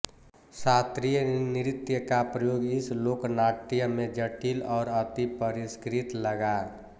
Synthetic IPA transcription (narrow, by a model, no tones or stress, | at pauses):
sat̪ɾijəniɾɪt̪jəkapɾəjoːɡɪsloːknaʈːijəmẽd͡ʒəʈilɔːɾət̪ipəɾiskɾit̪ləɡa